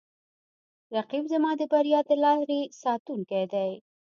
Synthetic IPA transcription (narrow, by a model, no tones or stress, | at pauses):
ɾaqibzamɑd̪əbaɾijɑd̪əlɑɾesɑt̪uŋkajd̪aj